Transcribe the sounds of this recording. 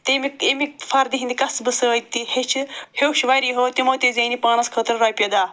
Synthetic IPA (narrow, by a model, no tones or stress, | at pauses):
t̪emiemifɐɾd̪iɦĩnd̪ʲikɐsbɨsəːt̪ihet͡ʃʰɨhewʃʋɐɾiːɦoːt̪imot̪izʲeːnipaːnɐskʰəːt̪ɨɾɾɐːjpʲed̪aː